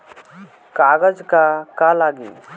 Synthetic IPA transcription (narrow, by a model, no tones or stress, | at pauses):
kaːɡəd͡ʒkakalaːɡḭː